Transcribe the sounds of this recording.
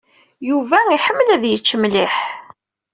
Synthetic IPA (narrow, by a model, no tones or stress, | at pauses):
juvæiħəmːəlæðjət͡ʃːəmliħ